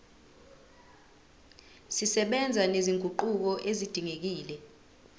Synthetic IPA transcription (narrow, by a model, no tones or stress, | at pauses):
sisɛɓɛnd͡zʱaneziŋɡʱuǃuk̬ɔʔezid̥ʱiŋek̬iːlɛ